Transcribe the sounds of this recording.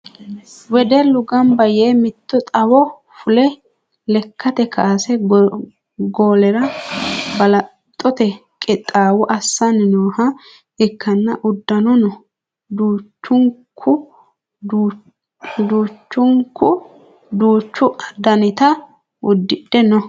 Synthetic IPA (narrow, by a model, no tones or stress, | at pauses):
wɛd̪ɛlʊɡɐmbɐjeːmɪt̪ːɔt̪ʼɐwɔ | fʊlɛ | lɛkːɐt̪ɛkʰaːsɛ | ɡo̞ːlɛɾɐ | bɐlɐ | t̪ʼːɔt̪ɛ | kʼɪt̪ʼaːwʊʔɐsːɐnɪnoːhɐ | ɪkːɐnːɐʔʊd̪ːɐnɔnɔ | d̪uːt͡ʃːʊŋkʰːʊ | d̪uːt͡ʃːʊŋkːʊ | d̪uːt͡ʃːʊɐd̪ɐnɪt̪ɐ | ʊd̪ːɪɗɛnɔ